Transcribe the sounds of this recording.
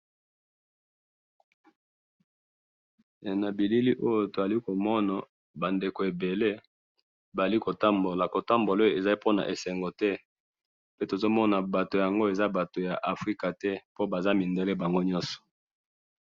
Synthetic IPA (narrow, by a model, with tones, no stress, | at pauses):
na˨bi˨li˦li˦ʔo˦jo˨to˨a˨li˦ko˨mɔ˦na˨ | ba˨nde˨ko˨e˨be˨le˦ | ba˨li˦ko˨ta˦mbo˨la˨ko˨ta˦mbo˨lo˦o˨e˨za˦i˦po˦na̰˨ʔe˨sɛ˨ŋɡo˨tɛ˦ | pe˦to˨zo˦mɔ˦na˨ba˨to˨ja˨ŋɡo˦e˨za˦ba˨to˨ja˨ʔa˨fʁi˦ka˨tɛ˦po˦ba˨za˦mi˨nde˨˦le˦ba˨ŋɡo˦ɲɔ˦sɔ̥˨